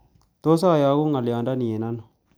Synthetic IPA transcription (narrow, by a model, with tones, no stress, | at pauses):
to˦s̬a˦˨ja˨˦ɡu˦ŋa˨lja˨nda˦ni˨e˨na˦no˨